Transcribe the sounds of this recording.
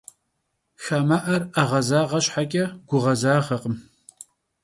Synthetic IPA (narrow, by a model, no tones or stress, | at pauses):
xaːmaʔɐraʁɐzaːʁɐɕʼħakʲʼɐɡ̥ʷʊʁɐzaːʁɐqəm